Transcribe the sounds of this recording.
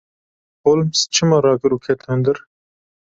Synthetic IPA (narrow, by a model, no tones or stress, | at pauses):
hoːlmst͡ʃʰɨmɑɾɑːkɨɾuːkʰɛt̪hɛnd̪ɨɾ